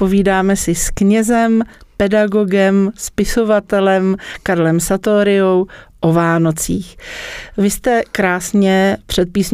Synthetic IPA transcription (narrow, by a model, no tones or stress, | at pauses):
poviːdaːmɛsɪskɲɛzɛmpɛdaɡo̞ɡɛmspɪso̞vat̪ɛlɛmkaɾlɛmsat̪oːɾɪowʔo̞vaːno̞t͡siːxvɪst̪ɛkɾaːsɲɛpr̝̥ɛt̪̚piːsɲ